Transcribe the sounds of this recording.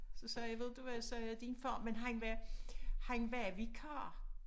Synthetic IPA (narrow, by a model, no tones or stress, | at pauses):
sɒ̽sɛjaʋe̝ð̰ˠd̥uʋæsɛjad̥infɒ̰mːenɦænʋæ | hænʋæʋikʰɑ̰ː